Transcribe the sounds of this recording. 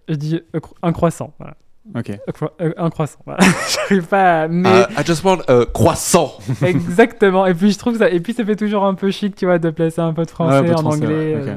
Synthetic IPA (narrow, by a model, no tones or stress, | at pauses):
ʒəd̪ikɛ̃kχwasɑ̰̃va̰la̰ | okʲeɛ̃kχwasɑ̃va̰ʒ̥aʁivpamɛajd͡ʒast̪wãtøkχwasɑ̃ɛɡzakt̪əmɑ̃ep̬ɥiʒət̪χuvkəsaepɥisafɛt̪uʒuʁɛ̃pøʃik̚t̪yvwad̪əplaseɛ̃p̬ød̪fχɑ̃sɛɑ̃nɑ̃ɡlɛ